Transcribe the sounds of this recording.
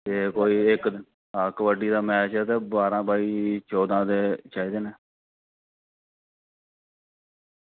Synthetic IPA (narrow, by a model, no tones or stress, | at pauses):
t̪eːkoːiːɪkd̪ɪn | əkʋəɖiːd̪aːmɛːt͡ʃɛːt̪eːbaːɾãːbaːiːt͡ʃoːd̪ãːd̪eːt͡ʃaːiːd̪eːneː